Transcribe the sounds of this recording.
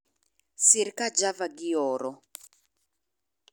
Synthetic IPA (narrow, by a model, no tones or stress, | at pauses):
siɾkad͡ʒavaɡiɔːɾɔ